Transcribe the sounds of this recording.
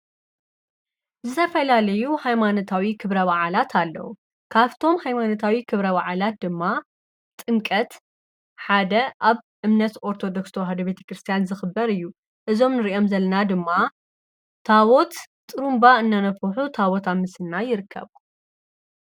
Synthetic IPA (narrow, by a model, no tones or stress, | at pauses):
zɨt̪ʰɐfɐlalɐjuhajmanot̪ʰawikʰɨβɾɐβaʕalat̪ʰalːɐ̰wu | kʰaβt̪ʰo̞mhajmanot̪ʰawikʰɨβɾɐβaʕalat̪̚d̪ɨmːa | t̪ʼɨŋkʼɐt̪ | ħad̪ɐʔaβʔɨmnɐt̪ʔo̞ɾt̪ʰo̞d̪okst̪ʰɐwɦɐd̪ube̞t̪ʰɐ̥kɾɨst̪ʰijanzɨxɨbːɐɾɨjːu | ʔɨzo̞mnɨɾiʔo̞mzɐlɐnad̪ɨmːa | t̪ʰawot̪ | t̪ʼːɨɾumbaɨnːanɐfuħut̪ʰawot̪amɨsɨnːajɪɾɨkʰːɐ̰βu